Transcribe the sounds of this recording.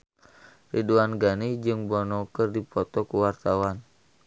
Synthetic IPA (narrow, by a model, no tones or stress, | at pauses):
riduanɡanid͡ʒɨŋbɔnɔkɨrdipɔt̪ɔkuwart̪awan